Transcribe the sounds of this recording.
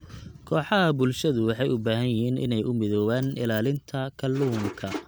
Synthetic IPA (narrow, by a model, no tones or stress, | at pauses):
kʰɔːħɑɦɐbʊlʃɐðʊwɑħɑjʊbaːɦɐnjɪɦiːnʔɪ̰nɛjʔʊmɪðɔːwaːnʔɪlaːlɪnt̪ʰɐkʰɐlːuːmkʰɐ